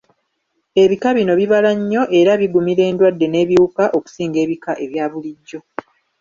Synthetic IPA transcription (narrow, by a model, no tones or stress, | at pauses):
e̞βikaβino̞βiβalaɲːo̞ʔe̞ɾaβiɡumiɾe̞ːndwadːe̞ne̞ːβjiukaʔo̞ku̥siːŋɡe̞ːβikaʔe̞βjaːβuliɟːo̞